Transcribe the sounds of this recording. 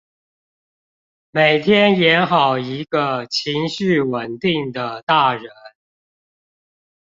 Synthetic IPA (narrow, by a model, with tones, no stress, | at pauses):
me˨˩ɪt̪ʰjɛ˥njɛ˧˥nxɑ˨˩ʊi˧˥ɡə˧t͡ɕʰi˧˥ŋɕy˥˩wə˨˩nt̪i˥˩ŋd̪ə˩t̪a˥˩ɻə˧˥n